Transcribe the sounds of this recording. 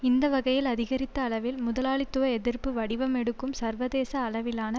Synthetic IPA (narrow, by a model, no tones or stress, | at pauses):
ɪnd̪ɐʋɐɣɐjɪlɐðɪɣɐɾɪt̪ːɐːɭɐʋɪlmʊðɐlaːɭɪt̪ːɯʋɐɛðɪɾpɯʋɐɽɪʋɐmɛɽɯkːɯmsɐɾʋɐðeːsɐːɭɐʋɪlaːnɐ